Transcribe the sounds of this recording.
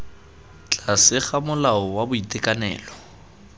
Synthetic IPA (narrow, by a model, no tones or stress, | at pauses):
t͡ɬʼasɪχamʊlaɔwabʊitʼekʼanɛ̰ːlɔ